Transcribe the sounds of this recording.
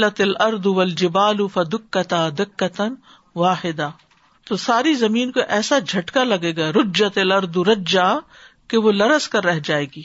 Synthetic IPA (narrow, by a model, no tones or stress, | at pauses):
lɐt̪ɐlɐɾd̪ʊʋɐld͡ʒɪbaːlʊfɐd̪ɪkːɐt̪ad̪ɪkːɐt̪n | ʋaːħɪd̪a | t̪osaːɾizɐmiːnkoʔɛːsad͡ʒʱɐʈkalɐɡeːɡaːɾʊd͡ʒɐt̪elɐɾd̪uɾɐd͡ʒa | keʋolɐɾəskɐɾːɛɦd͡ʒaːeːɡiː